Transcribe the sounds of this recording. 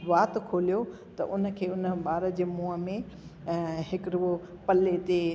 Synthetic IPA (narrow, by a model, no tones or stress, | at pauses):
ʋaːt̪kʰoːlijo | t̪ɐ̰ʔʊnə̆kʰeːʊnəɓaːɾəd͡ʑeːmũːəmẽ | ɦɪkɾuopɐlet̪e